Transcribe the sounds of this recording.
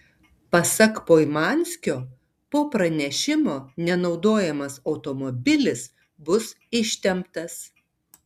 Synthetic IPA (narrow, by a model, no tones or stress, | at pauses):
pɐsɐkpoːɪmɑːnʲsʲkʲoː | poːpɾɐnʲɛʃʲɪmoːnʲɛnɒʊd̪oːjɛmɐsɒʊt̪ɔmobʲɪlʲɪs | bʊs | ɪʃʲt̪ʲɛmpt̪ɐs